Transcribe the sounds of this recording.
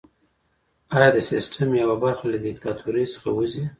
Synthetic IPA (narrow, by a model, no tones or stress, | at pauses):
ɑjɑd̪əsɪsʈʰamjawabaɾxalad̪ɪk̚t̪ɑt̪ʰuɾəjsə̥xa̰wəzi